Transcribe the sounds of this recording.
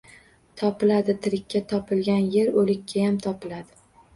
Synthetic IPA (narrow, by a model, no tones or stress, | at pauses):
t̪ʰɒpɪlad̪ɪt̪ʰɪɾɪkʲʰːat̪ʰɒpʰɪlɡʲanjeɾolɪkʲʰːajamt̪ʰɒpɪlad̪ɪ